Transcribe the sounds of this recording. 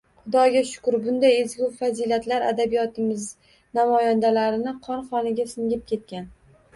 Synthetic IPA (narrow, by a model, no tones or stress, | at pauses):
χʊd̪ɒɡʲaʃʊ̥kʊɾbʊnd̪ajezɡʲʊwfazilat̪laɾa̰d̪abijɒt̪ɪmɪz | namɒjand̪alaɾɪnɪqʰɒnχɒnɪɡʲasɪŋɡʲɪp̚kʲʰe̞t̪̚kʲan